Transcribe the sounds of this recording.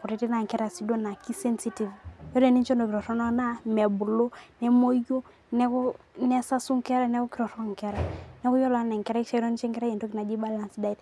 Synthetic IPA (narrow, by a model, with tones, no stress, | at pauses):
ku˨ɾi˨ti˦na˨ŋkɛ˦ɾa˨si˦do˦na˨ki˦sɛ˦nsi˦ti˨vjɔ˦dɛ˨ni˦nt͡ʃɔ˦ndo˨ki˨ɾɔ˨tɔ˦nɔ˦na˦mɛ˨bu˨lo˦nɛ˦mo˦jo˦ | nɛ˦kɔ˦nɛ˦sa˦su˦ŋkɛ˦ɾa˦nɛ˦kɔ˦ki˨ɾɔ˨ɾɔ˦ŋkɛ˦ɾa˨nɛ˦kɔ˦jɔ˦la˦nɛ˨ŋkɛ˦ɾa˦ki˦ʃa˦ɾɔ˦ni˦t͡ʃɛ˦ŋkɛ˦ɾa˦jɛ˨ndo˦ki˨na˨d͡ʒi˦ba˦la˦nsda˦i˦t